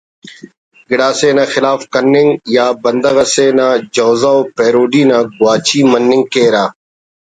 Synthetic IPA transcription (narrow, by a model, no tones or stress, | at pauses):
ɡɪɽaːseːnaːxɪlaːfkɐnːɪŋɡjaːbɐnd̪ɐɣɐseːnaːd͡ʒoːzaːoːpeːɾoːɖiːnãːɡʊwaːt͡ʃiːmənːɪ̃ŋɡkeːɾaː